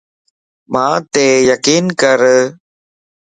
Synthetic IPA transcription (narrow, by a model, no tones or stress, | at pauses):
mãːt̪eːjəkiːnkəɾ